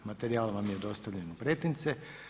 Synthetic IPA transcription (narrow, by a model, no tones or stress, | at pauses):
mat̪eɾiaːlʋamjed̪o̞st̪aʋʎenopɾet̪int̪se